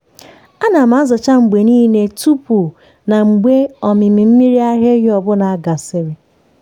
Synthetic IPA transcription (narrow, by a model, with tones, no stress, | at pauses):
a˦na˨ma˨˦zɔ˨t͡ʃa˦ŋ͡m̩˨ɡ͡be˨niː˦ne˨tu˦pu˨ | na˨ŋ͡m̩˨ɡ͡be˦ɔ˨mɪ˨mi˨m̩˦mi˦ɾi˦a˦ɦe˦ɦɔ˨bʊ˦na˨a˦ɡa˨sɪ˨ɾɪ˨